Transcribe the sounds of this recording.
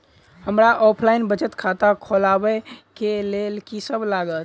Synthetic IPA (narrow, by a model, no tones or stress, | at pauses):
həmɾaʔɔpʰlainbət͡ʃət̪kʰat̪akʰolabɛkelelkisəbʱlaɡət̪